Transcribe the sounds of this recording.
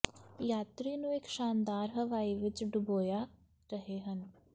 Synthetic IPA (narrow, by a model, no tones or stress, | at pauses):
jaːt̪ɾiːnũːekʃaːnd̪aːɾɦəʋaːiːʋɪt͡ʃɖʊboːjaː | ɾəɦeːɦən